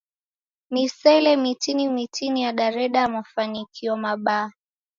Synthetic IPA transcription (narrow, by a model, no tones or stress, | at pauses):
nisɛlɛmitinimitʰinijaɗaɾɛɗamafanikʰiɔmaɓaː